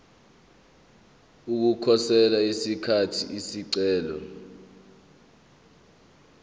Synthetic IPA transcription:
uk̬ukʰɔsɛlaisikʰatʰiisiǀɛːlɔ̰

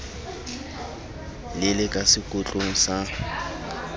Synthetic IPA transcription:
lɪlɪkʼasɪkʼʊt͡ɬʼʊŋ̩sa

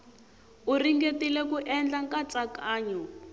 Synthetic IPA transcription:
uriŋɡetilɛkuʔɛnd͡ɮaŋkat͡sʼakaːɲɔ

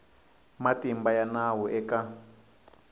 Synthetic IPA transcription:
matimbajanawɔʔɛka

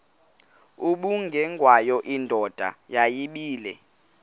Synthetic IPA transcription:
uɓuŋɡʱɛŋɡʱwajɔʔindʱɔd̥ʱa̰jajiɓiːlɛ

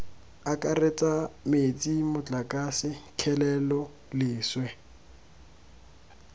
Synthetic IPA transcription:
akʼaret͡sʼamet͡sʼimʊt͡ɬʼakʼasɪkʰɛlɛlɔ | lɪːswɛ

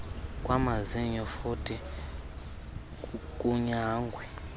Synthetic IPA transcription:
kʼwamaziɲɔfutʼi | kʼuɲaɦaːŋɡʱwɛ

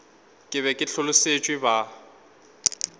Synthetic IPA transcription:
kʼɪβɛkʼɪɬʊlʊset͡ʃʼwɪba

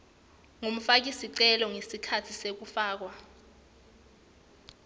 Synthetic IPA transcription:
ŋom̩fak̬isiǀɛlɔŋesikʰatʰisek̬ufaːk̬wa

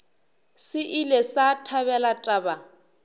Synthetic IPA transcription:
sɪʔilɛsatʰaβɛlatʼaːba

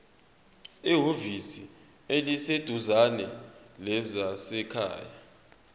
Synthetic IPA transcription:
iɦovisi | elised̥ʱuzanɛlɛzasɛkʰa̰ːja

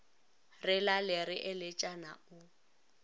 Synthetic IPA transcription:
rɪlalɪrɪʔɪlɪt͡ʃʼana̰ʊ

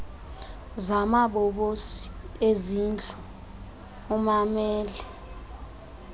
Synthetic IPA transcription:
zamaɓɔɓosi̥ezind͡ɮʱʼɔː | mamɛːlɛ

